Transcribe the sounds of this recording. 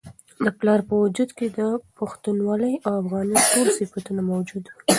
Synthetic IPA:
d̪əplɑɾpəwad͡ʒud̪ked̪əpaxt̪unwɑləjawafɣɑnitolsifat̪unamawd͡ʒud̪wi

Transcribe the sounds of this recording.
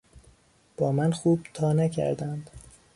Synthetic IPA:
b̥ɒːmænxuːb̥̚t̪ʰɒːnæcʰæ̰ɾd̪ænd̪̥

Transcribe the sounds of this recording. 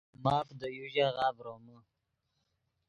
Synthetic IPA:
mɑːfd̪əjuʒaɣaːvɾomə

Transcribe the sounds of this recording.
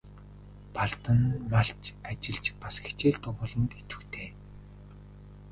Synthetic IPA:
paɮt̪ə̆nmaɬt͡ɕat͡ɕɪ̆ɮt͡ɕpasxe̥t͡ɕeːɮt̪ʊʁʊɮə̆nt̪et̪ɘ̥̆kt̪ʰeː

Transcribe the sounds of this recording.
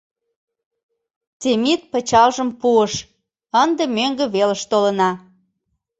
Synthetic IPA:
t̪emit̪̚pə̆t͡ɕɑlʒəmpuəʃ | ənd̪əmøŋɡə̆βeləʃt̪olə̆nɑ

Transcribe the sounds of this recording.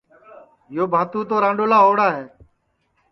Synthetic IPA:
joːbʱaːt̪ũːt̪oːɾãːɳɖoːlaːɦoːɽaːɦeː

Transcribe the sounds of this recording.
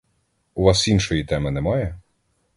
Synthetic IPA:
ʊʋɑsinʃɔjit̪ɛmɪnɛmajɛ

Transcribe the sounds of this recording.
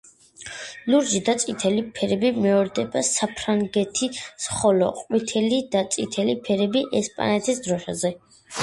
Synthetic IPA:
luɾʒid̪at̪sʼit̪ʰɛlipʰɛɾɛbimɛɔɾd̪ɛbasapʰɾaŋɡɛt̪ʰisχɔlɔ̰qʼwit̪ʰɛlid̪̥at̪sʼit̪ʰɛlipʰɛɾɛbiʔɛspʼa̰nɛt̪ʰisd̪ɾɔʃa̰zɛ

